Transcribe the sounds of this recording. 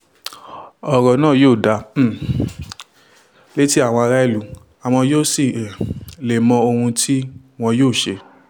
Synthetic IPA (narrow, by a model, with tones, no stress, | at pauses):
ɔ˨ɾɔ˨nãː˦˨joː˦˨da˧˦˨ | le˦ti˦a˦˨w̃ɔ̃˧a˧ɾa˦i˦˨lu˨˦ | a˨w̃ɔ̃˧joː˦si˨le˨mɔ̃˧o˧hũ˧tʰi˦ | w̃ɔ̃˧joː˦˨ʃe˧